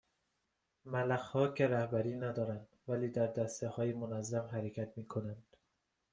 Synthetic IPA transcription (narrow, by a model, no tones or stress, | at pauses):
mælæxhɒːcʰeɾæhbæɾiːnæd̪ɒːɾænd̪væliːd̪æɾd̪æst̪ehɒːjemonæzːæmɦæɾecʰæt̪miːkʰonænd̪̥